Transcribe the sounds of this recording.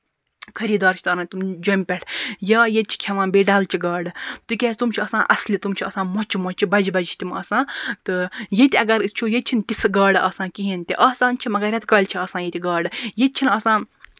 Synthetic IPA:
kʰɐɾiːd̪aːɾt͡ʃʰit̪ɐːɾɐ̃nt̪umd͡ʒɐmʲpʲɛʈʰjaːjet̪̚t͡ʃʰi̥kʲʰɐʋãːnbeːɖalt͡ʃʰiɡaːɽɨt̪ukʲɛːst̪umt͡ʃʰiɐːsãːʔɐslʲit̪umt͡ʃʰiɐːsãːmɔt͡ʃʰimɔt͡ʃibɐd͡ʒibɐd͡ʒt͡ʃʰt̪ʲimɐ̰ːsãːt̪ɨjet̪ʲiɐɡɐɾt͡ʃʰuːjet̪̚ʲt͡ʃʰint̪ʲisɡaːɖɐːsãːkiɦenʲt̪ʲiʔaːsaːnt͡ʃʰimɐɡɐɾʲɐt̪ɡɐːlʲt͡ʃʰiɐːsãːjet̪ʲiɡaːɖɨjet̪̚t͡ʃʰinɐːsãː

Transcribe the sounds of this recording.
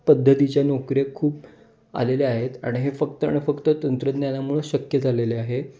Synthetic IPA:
pəd̪ʱːət̪it͡ɕjanɔkɾekʰuːp | a̰leleaɦet̪a̰ɽ̃iɦefəkt̪əa̰ɽ̃ifəkt̪ət̪ənt̪ɾəd̪njanamuɭeɕəkjəd͡z̪ʱaleleaɦe

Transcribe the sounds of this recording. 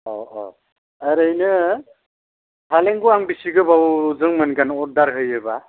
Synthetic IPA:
ɔ̰ɔ̰ | aɾəjnɯ | haleŋɡuaŋbisiɡɯbawzɯŋmɯnɡanɔɾ̚daɾɦɯjɯba

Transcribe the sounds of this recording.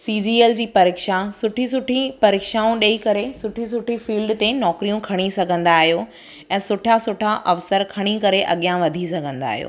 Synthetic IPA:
siːd͡ʑiːeld͡ʑiːpɐɾeːkʃasʊʈʰisʊʈʰipɐɾeːkʃaːũɗɐikɐɾesʊʈʰis̬ʊʈʰifiːlɖt̪enɔːkɾijũkʰɐɽ̃isɐɡʱə̃nd̪aːɦijo | ɛ̃ːsʊʈʰasʊʈʰaʔɐʋsəɾkʰɐɽ̃ikɐɾeʔɐ̰ɠijãʋɐd̪ʱisɐɡʱə̃nd̪a̰ːɦijo̰ː

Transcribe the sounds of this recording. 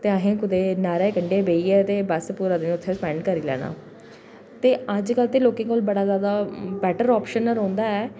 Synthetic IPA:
t̪eːəɦẽːkʊd̪eːnaːɾeːkəɳɖeːbeːiːɛːt̪eːbəspuːɾaːd̪eːñʊt̪ʰːeːspɛ̃ːɳɖkəɾiːlɛ̰ːna̰ː | t̪eːəd͡ʒkəlt̪eːloːkɪ̃ːkoːlbəɽaːzjaːd̪aːbɛːʈəɾɔːpʃənəɾõːnd̪aːɛː

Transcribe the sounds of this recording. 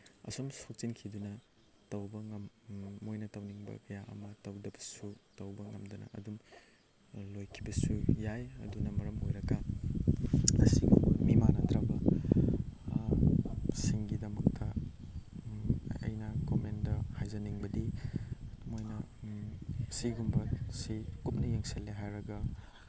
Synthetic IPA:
ɐ̰somsok̚t͡ʃinkʰidunɐ | tɐwbɐŋɐmːojnɐtɐwniŋbɐ̰kɐjaʔɐ̰mɐtɐwdɐbɐ̥sutɐwbɐŋɐmdɐnɐ̰ɐdum | lojkʰibɐsujajɐ̰dunɐmɐɾɐmɦojɾɐɡɐ | ɐsiɡṵmimanɐtɾɐbɐ | siŋɡidɐmɐktʰɐ | ɐ̰jnɐkomendɐhajzɐniŋbɐdi | mojnɐ | siɡumbɐsikup̚nɐjeŋselːeɦajɾɐɡɐ

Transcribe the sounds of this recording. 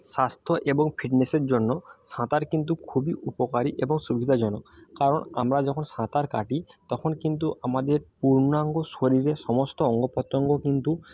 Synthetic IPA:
sast̪ʰɔʔebɔŋpʰiʈneseɹzɔnːɔsãt̪aɹkint̪̬ukʰubiʔupɔkaɾiʔebɔŋsubʱid̪ʱazɔnɔkkaɹɔna̰mɹazɔkʰɔnsãt̪aɹkaʈit̪ɔkʰɔnkint̪̬uʔamad̪eɹpuɹnaŋɡɔsoɾiɾesɔmɔstɔɔŋɡɔpɔt̪ːɔŋɡɔkint̪u

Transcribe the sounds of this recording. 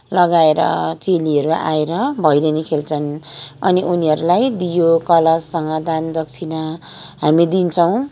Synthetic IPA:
lʌɡaeɾʌ̰t͡seliʌɾuʔa̰eɾʌbʱʌjɾenikʰelt͡sʰʌnʌ̰niʔuniɦʌɾulajd̪ijokʌlʌd͡zsʌŋɡʌd̪and̪ʌk̚t͡sʰinʌ | ɦamid̪int͡sʰʌw̃

